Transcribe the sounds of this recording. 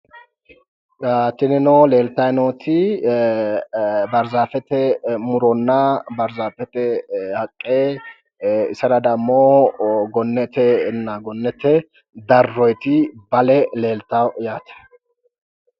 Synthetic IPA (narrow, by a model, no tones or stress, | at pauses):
jaːt̪ːɪnɛnɔle̞ːlt̪ɐjnoːt̪ʰɪ | bɐɾzaːfɛt̪ɛmʊɾɔnːɐbɐɾzaːfɛt̪ɛhɐkʼːeː | ɪsɐɾɐd̪ɐmːoɡɔnːɛt̪ɛnːaɡɔnːɛt̪ɛ | d̪ɐrːɔjt̪ɪbɐlɛle̞ːlt̪awjaːt̪ɛ̥